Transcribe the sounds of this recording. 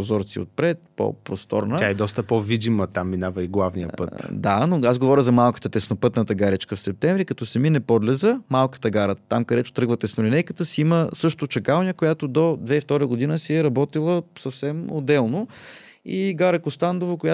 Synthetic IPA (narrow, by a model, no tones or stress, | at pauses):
ozɔɾt̪sḭo̰t̪̚pɾɛt̪po̰pɾost̪ɔ̰ɾnəjaɛd̪ɔst̪əpovid̪imət̪amːinavəiɡlˠavniə̰pɤt̪d̪anoazɡovɔɾʲəzɐmalˠkə̥t̪ət̪ɛsnopɤt̪nət̪əɡaɾit͡ʃkəfsɛp̚t̪ɛɱvɾikɐt̪ɔsɛminɛpɔd̪lɛzəmalˠkə̥t̪əɡaɾət̪ːamkɐd̪ɛt̪ʊ̥t̪ɾɤɡvət̪ɛsnolinɛjkət̪əsiiməsɤʃt̪ot̪ʊt͡ʃɐkalˠnʲiəkojat̪od̪od̪vɛift̪ɔɾəɡʊd̪inəsiɛɾɐbɔt̪ilˠəsəfsɛmod̪ːɛlˠno | iɡaɾɐkʊst̪and̪ovɐkoja